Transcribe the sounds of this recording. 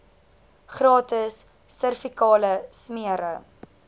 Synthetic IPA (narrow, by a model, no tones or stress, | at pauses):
χrɑːtəsː | ərfikɑːləsmiəɾə